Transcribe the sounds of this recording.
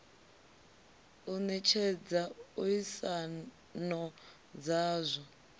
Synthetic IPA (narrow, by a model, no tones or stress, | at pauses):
unɛt͡ʃʰɛd͡zaujisa | nɔ | d͡zaːzʷɔ